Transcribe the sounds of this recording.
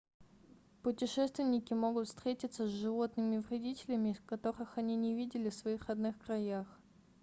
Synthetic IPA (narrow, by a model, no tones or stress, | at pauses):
pʊtʲɪʂɛst̪vʲɪnʲɪkʲɪmo̞ɡʊt̪fst̪ɾʲetʲɪt̪səzʐɨvo̞t̪nɨmʲɪvɾʲɪdʲitʲɪlʲɪmʲɪskɐt̪o̞ɾɨxɐnʲinʲɪvʲidʲɪlʲɪfsvɐixrɐd̪nɨxkɾɐjax